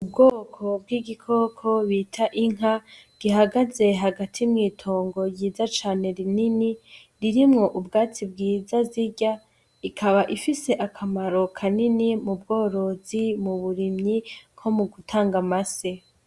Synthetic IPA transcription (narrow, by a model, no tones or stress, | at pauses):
ubɡo̞ːkʰo̞bɡiːɡikʰo̞ːkʰo̞βiːtʰaʔiŋɦa | ɡ̥iɦaɡaze̞ɦaɡatʰimŋiːtʰo̞ːŋɡo̞jiːzat͡ʃaːne̞ɾinini | ɾiɾimŋo̞ʔubɡaːt͡sib̚ɡiːzaziɟa | ikʰaβaʔifise̞ʔakʰamaɾo̞kʰaninimubɡo̞ːɾo̞zimuβuɾimɲikʰo̞muɡutʰaːŋɡamase̞